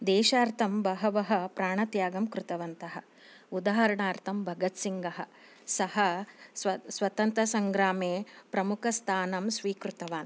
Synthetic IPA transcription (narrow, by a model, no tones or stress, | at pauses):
d̪eːʃaːɾt̪ʰɐmbɐɦɐʋɐɦɐ̆pɾaːɳ̃ɐt̪jaːɡɐmkɾut̪ɐʋɐnt̪ɐɦɐ | ud̪aːɦɐɾɐɳaːɾt̪ʰɐmbʱɐɡɐt̪siŋɡɐɦɐ̆ | sɐɦɐsʋɐsʋɐt̪ɐnt̪ɾɐsɐŋɡɾaːmeːpɾɐmukʰɐst̪ʰaːnɐmsʋiːkɾut̪ɐʋaːn